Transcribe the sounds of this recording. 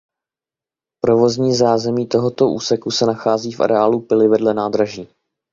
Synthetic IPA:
pɾo̞vo̞zɲiːzaːzɛmiːt̪o̞ɦo̞t̪o̞ʔuːsɛkusɛnaxaːziːfʔa̰ɾɛaːlupɪlɪvɛdlɛnaːd̪ɾaʒiː

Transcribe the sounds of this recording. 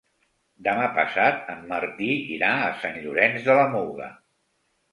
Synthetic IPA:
d̪əmapə̰sat̪əmːəɾt̪iḭɾaəsanʎuɾɛnzðələmulˠɣə̰

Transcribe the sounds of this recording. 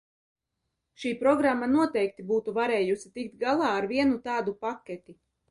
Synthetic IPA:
ʃiːpɾɔɡɾamːanuɔt̪ɛjk̚t̪ibuːt̪uvaɾeːjusit̪ikt̪ɡalˠɑːɾviɛnut̪aːd̪upakʲːɛt̪i

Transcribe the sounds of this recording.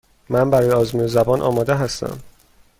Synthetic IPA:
mænbæɾɒːjeɒːzmuːnezæbɒːnʔɒ̰ːmɒːd̪eɦæst̪æ̰m

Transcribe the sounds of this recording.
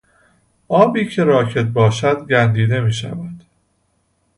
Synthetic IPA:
ʔɒːbiːcʰe̞ɾɒːcʰe̞t̪̚bɒːʃæd̪ɡænd̪iːd̪e̞miːʃæ̰væd̪̥

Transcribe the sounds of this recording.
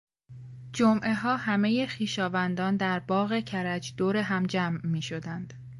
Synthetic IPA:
d͡ʒomʔe̞ɦɒːhæme̞jexiːʃɒːvænd̪ɒːnd̪æɾbɒːɣe̞cʰæɾæd͡ʒd̪̥oːɾeɦæmd͡ʒæːmːiːʃo̞d̪ænd̪̥

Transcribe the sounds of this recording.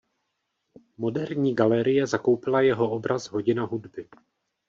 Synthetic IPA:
mo̞dɛɾɲiːɡalɛɾɪjɛzako̞wpɪlajɛɦo̞ʔobɾazɦo̞ɟɪnaɦudbɪ

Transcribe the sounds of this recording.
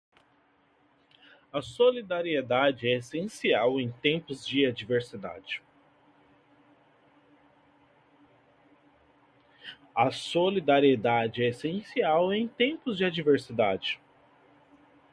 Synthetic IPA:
ɐsolid̪aɾied̪ad͡ʒɪɛesẽsiawẽj̃t̪ẽmpʊzd͡ʒɪad͡ʒiveɾsid̪a̰d͡ʒɪ | ɐsolid̪aɾied̪ad͡ʒɪɛesẽsiawẽj̃t̪ẽpʊzd͡ʒɪad͡ʒiveɾsid̪ad͡ʒɪ

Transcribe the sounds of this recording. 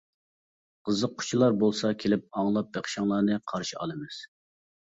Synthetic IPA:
qʰəzəq̚ːʰʊ̥t͡ʃʰilˠɑɾbolˠsɑkʲʰelɪp̚ɑŋlˠɑp̚beχʃɑŋlˠɑɾnɨqʰɑɾʃiɑ̰lˠɨmɪz̥

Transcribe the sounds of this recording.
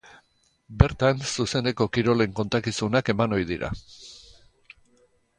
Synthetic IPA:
be̞ɾt̪ansuse̞ne̞ko̞kiɾo̞le̞ŋko̞nt̪akisunake̞mano̞jðiɾa̰

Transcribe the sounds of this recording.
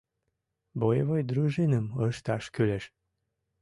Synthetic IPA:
bojeβojd̪ɾyʒenəməʃt̪ɑʃkøleʃ

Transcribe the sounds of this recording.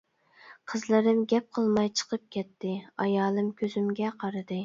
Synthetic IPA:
qʰəzlˠɨɾɨmɡʲɛp̚qʰəlˠmɑjt͡ʃʰə̥qʰəp̚kʲʰɛt̪ʰːɪɑjɑːlˠɨmkʲʰøzymɡʲɛqʰɑɾɨd̪ɨ

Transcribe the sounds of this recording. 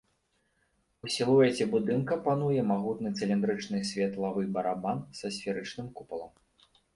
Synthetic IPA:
usʲilˠuɛt͡sʲɛbud̪ɨnkɐpanujɛmaɣut̪nɨt̪sɨlʲind̪ɾɨt͡ʂnɨsʲvʲɛt̪lˠavɨbɐɾabansɐsʲfʲiɾɨt͡ʂnɨmkupɐlˠɐ̰m

